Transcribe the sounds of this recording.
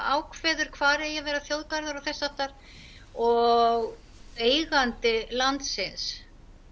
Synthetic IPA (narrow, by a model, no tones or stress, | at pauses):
aːwkʰvɛːðʏɾ̥kʰvaːɾɛjɛvɛːɾaθjowðkaɾðʏɾawθɛsːaft̪aɾ̥ | ɔɣ | ejɣant̪ɪlant̪sɪns